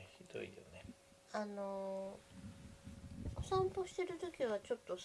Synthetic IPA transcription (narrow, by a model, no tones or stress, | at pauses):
çid̪̥o̞̰ḭjo̰ne | ano̞ | sãmpo̞ɕi̥t̪e̞ɾɯ̟t̪o̞kʲiβat͡ɕo̞t̪ːo̞s